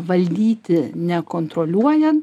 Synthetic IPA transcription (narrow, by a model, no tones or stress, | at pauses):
ʋɐlʲd̪ʲiːt̪ʲɪnʲɛkoːnt̪ɾoːlʲuɔjɛ